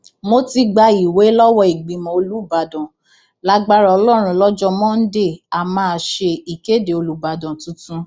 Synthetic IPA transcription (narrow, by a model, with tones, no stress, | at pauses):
mo˦ti˧ɡ͡ba˧i˨we˨˦lɔ˦wɔ˦i˨ɡ͡bĩ˨mɔ̃˨o˧lu˦˨ba˨dɔ̃˨ | la˦ɡ͡ba˦ɾa˦ɔ˧lɔ˦˨ɾ̃ũ˧lɔ˦d͡ʒɔ˦mɔ̃˦n̩˦de˦˨a˨mãː˦˨ʃe˧i˨ke˨˦de˨o˧lu˨ba˨dɔ̃˨tũ˨˦tũ˦